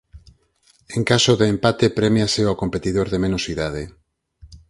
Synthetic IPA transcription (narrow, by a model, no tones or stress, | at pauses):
eŋkasoðeːmpat̪epɾemjaseoakompet̪iðoɾðemẽnosiðað̞e